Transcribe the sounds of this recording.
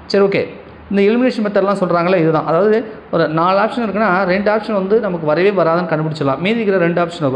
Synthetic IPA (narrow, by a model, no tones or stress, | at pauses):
sɐɾioːkːḛː | ɪnd̪ɐɪlmɪneːʂɐnpɐt̪ːɐɾlːãːsɔlɾaːŋɡɐɭːeːɪðɯðãːʔɐðaːʋɐðɯɔɾɯnaːɭaːpʂɐnɪɾɯkːɯnːaːɾɛɳɖaːpʂɐnʋɐnd̪ɯnɐmɐkːɯʋɐɾɐʋeːʋɐɾaːðɐnːɯkɐɳːɯpɪɽɪt͡ʃːɐlɐlã̰ːmiːðɪɾɯkːɪɾɐɾɛɳɖaːpʂɐnokː